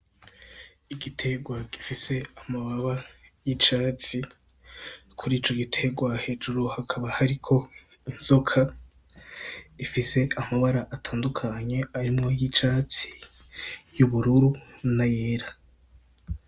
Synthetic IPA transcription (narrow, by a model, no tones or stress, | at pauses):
iɡitʰe̞ɡwaɡ̥ifise̞amaβaβajit͡ʃaːt͡si | kʰuɾiːt͡ʃo̞ɡitʰe̞ɡwahe̞ːd͡ʒuɾuhakʰaβahaɾikʰo̞ | inz̥o̞kʰa | ifise̞amaβaɾaʔatʰaːndukʰaɲe̞aɾimŋo̞jit͡ʃat͡si̥ | juβuɾuɾunajeːɾa